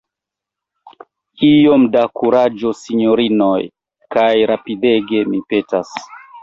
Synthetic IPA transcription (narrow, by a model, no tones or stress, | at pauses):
ijo̞mdakuɾad͡ʒo̞siɲoɾino̞j | kajɾapide̞ɡe̞mipe̞tas